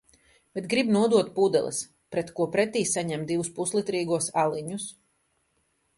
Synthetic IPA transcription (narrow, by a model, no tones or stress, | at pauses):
b̥et̪ɡɾibnuɔd̪uɔt̪̚pud̪ɛ̰lˠḭs | pɾɛt̪kuɔpɾɛt̪iːsaɲɛmd̪ivuspuslˠit̪ɾiːɡuɔsalˠiɲus